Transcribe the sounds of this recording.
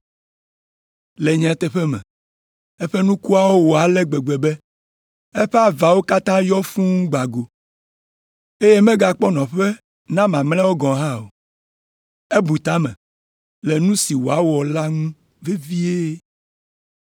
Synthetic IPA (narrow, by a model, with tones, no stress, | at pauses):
le˨ɲɛ̃˨˦t̪ɛ˦ɸɛ˦mɛ̰̃˨ | e˦ɸe˦nũ˦ku˦a˦wo˦wo˨a˨lɛ˦ɡ͡be˨ɡ͡be˨bɛ˦ | e˦ɸe˦a˨va˨wo˦ka˦t̪ã˦jɔ˦fũ˦ŋũ˦ɡ͡ba˨ɡo˨ | e˦je˦mẽ˦ɡa˨k͡pɔ˦nɔ̃˨ɸe˦ | nã˦mã˨mlɛ˦wo˦ɡɔ̃˨ɦã˦o˨ | e˦bu˨t̪ã˦mɛ̰̃˨ | lɛ˨nũ˦si˨wo˨a˦wɔ˨la˦ŋũ˦ | ve˦vi˦e˦